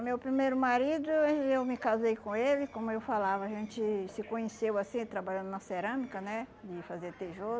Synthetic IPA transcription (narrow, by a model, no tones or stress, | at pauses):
mewpɾimejɾʊmaɾid̪ʊewmɪkazejkõelɪkõmʊewfalavɐaʒẽnt͡ʃɪsɪkõɲesewasĩt̪ɾabaʎɐ̃nd̪ʊnɐseɾɐ̃mikɐnɛd̪ɪfazeɾt̪eʒo